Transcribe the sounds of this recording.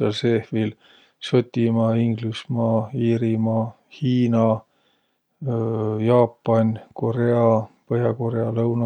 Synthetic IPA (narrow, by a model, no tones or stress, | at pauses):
ɑlsehvil | sot̪ʲːimɑːiŋɡlusmɑːiːɾimɑː | hiːnɑ | jɑːpˑːɑnʲko̞ɾe̞ɑpɤhjɑko̞ɾeɑlɤwnɑ